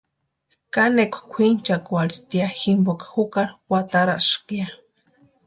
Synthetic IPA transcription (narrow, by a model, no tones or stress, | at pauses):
kanekʷkʷʰint͡ʃakualst̪iaximbokḁxukaɾwat̪aɾaʔʃkja